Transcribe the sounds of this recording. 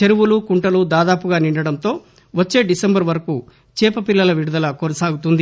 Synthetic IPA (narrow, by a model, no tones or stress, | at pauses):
t͡ʃeɾuʋulukuɳʈɐlud̪aːd̪aːpuɡaːniɳɖɐɽɐnt̪o̞ː | ʋɐt͡ʃːe̞ːɖisembɐɾʋɐɾɐku | t͡ʃɛːpɐpilːɐlɐʋiɽud̪ɐlɐkonɐsaːɡut̪und̪i